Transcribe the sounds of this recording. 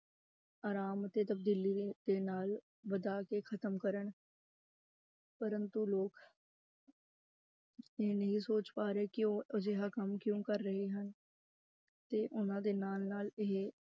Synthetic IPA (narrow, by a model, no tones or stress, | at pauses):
aːɾaːmət̪eːt̪əb̚d̪iːliːd̪eːnaːl | ʋəd̪aːkeːkʰət̪əmkəɾəɳ | pəɾənt̪uːloːk | enəɦĩsoːt͡ʃpaːɾeːkɪoːəd͡ʒeːɦaːkəmkjõːkəɾːəɦeːɦən | t̪eːʔʊnãːd̪eːnaːlnaːleɦ